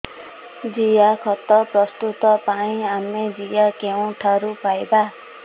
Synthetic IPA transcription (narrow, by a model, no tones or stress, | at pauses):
d͡zijakʰʌt̪ːʌprʌst̪ut̪ʌpaĩamed͡zijakew̃ʈʰaɾupajba